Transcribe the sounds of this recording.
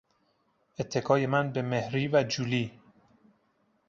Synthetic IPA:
et̪ʰːe̞kʰɒːje̞mænbe̞mehɾiːvæd͡ʒuliː

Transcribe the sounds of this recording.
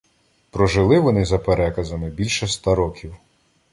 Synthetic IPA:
pɾɔʒɪlˠɪʋɔnɪzɐpeɾɛkɐzɐmɪbʲilʲʃɛst̪aɾɔkʲiw

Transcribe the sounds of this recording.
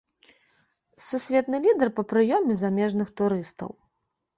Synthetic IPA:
susʲvʲɛt̪̚nɨlʲid̪ɐrpɐpɾɨjɔmʲɛzamʲɛʐnɨxt̪uɾɨst̪ɐ̰w

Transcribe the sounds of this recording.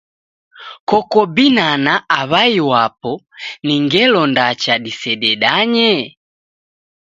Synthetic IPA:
kɔkɔbinanaʔaβaiwapɔniŋɡɛlɔndat͡ʃaɗisɛɗɛɗaɲɛ

